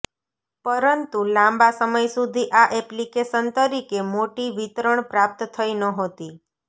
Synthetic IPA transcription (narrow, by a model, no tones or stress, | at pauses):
pəɾənt̪ulãmbasəməjsud̪ʱiʔaʔɛplikeʃənt̪əɾikemoʈiʋit̪ɾəɳpɾap̚t̪t̪ʰəinəɦot̪i